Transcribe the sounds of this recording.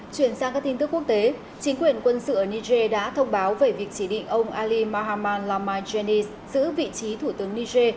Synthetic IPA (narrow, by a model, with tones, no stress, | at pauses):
t͡ɕwi˧˩ənsaː˧ŋka˦˥k̚t̪i˧ŋ̟t̪ɨ˦˥kːu˦˥ək̚t̪e˨˦ | t͡ɕi˨˦ŋ̟kwi˧˩ənkwə˧nsɨ̰˧˨ʔəː˧˩ni˧ze˧ɗa̰ː˧˥t̪ʰə˧wŋ͡mɓaː˨˦wve˨˩vi˨˩ək̚t͡ɕi˧˩ɗḭ˧˨ŋ̟ʔə˧wŋ͡mʔaː˧li˧ma˧ɦaː˧maː˧nlaː˧maː˧jze˧ni˧s | z̥ɨ̰˧˥vḭ˧˨t͡ɕi˨˦t̪ʰu˧˩t̪ɨ˨˦əŋni˧ze˧